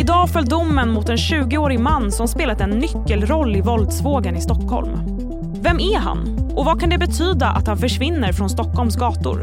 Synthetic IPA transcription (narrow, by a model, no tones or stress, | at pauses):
ɪd̪ɑːfœld̪ʊmːənmʊt̪ɛnɕʉ̟ːɡɪoːɾɪmanːsɔmspeːlat̪ɛnːʏkːəlɾɔlːɪvɔld̪svoːɡənɪst̪ɔkhɔ̰lm | vɛmːæɦa̰nː | ʔɔvakʰand̪ɛbɛt̪ʰyːd̪aʔa̰t̪hanfœʂvɪnːəɾfɾɔnst̪ɔkːhɔlmsɡɑːt̪ʊ̰ɾ